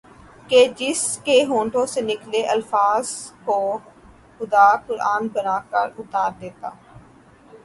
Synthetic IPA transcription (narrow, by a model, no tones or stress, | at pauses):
ked͡ʒɪskeɦõːɳʈõsenɪkleːʔəlfaːzko | xʊd̪aːkʊɾaːnbənaːkəɾʊt̪aːɾd̪eːt̪a̰ː